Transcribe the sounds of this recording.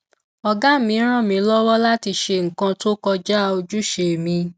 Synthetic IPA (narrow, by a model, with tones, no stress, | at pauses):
ɔ˧ɡa˦˨mĩ˨˦ɾ̃ã˦˨mĩ˧˦lɔ˦wɔ˦la˦ti˧ʃe˧ŋ̩˨kã˧to˦kɔ˧d͡ʒa˦˧o˧d͡ʒu˦ʃe˧˨mĩ˧